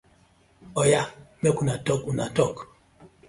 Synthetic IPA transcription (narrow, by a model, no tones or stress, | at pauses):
ɔjamɛkunatɔkuna̰tɔk